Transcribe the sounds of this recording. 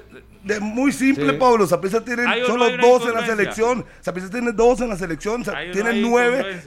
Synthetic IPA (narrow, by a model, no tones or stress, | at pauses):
d̪emujsimplepaβlos̬apes̬ast̪jenensolod̪osenlas̬eleksjonsap̬es̬ast̪jeneðos̬enlas̬eleksjonsat̪jenenːweβe